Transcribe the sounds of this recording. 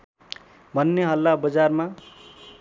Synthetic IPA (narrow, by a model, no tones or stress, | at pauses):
bʱʌnːeɦʌlːabʌd͡zarma